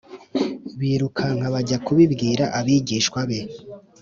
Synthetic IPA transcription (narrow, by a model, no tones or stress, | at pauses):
βiːɾukʰaŋ̥aβaɟakuβibɡiːɾaʔaβiɟiːʃkwaβe̞